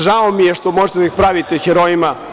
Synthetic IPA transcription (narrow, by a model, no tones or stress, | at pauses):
ʒaomijeʃt̪omo̞ʒet̪ed̪aixpɾaʋit̪exeɾojima